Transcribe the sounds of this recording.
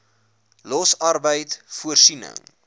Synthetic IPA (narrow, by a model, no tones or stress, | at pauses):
lɔsɐrbəjtfuərsinə̰ŋ